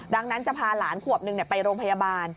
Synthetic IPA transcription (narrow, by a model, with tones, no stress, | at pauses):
da˧ŋna˦˥nt͡ɕa˨˩pʰaː˧laː˩˦nkʰu˨˩əp̚nɯ˧ŋni˨˩pa˧jɾoː˧ŋpʰa˧jaː˧baː˧n